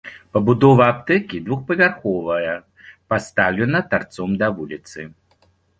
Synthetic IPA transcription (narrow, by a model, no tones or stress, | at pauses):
pɐbud̪ɔvɐːpt̪ɛkʲid̪vuxpɐvʲarxɔvɐjɐ | past̪awlʲɛnɐt̪vart̪sɔmd̪ɐvulʲit̪sɨ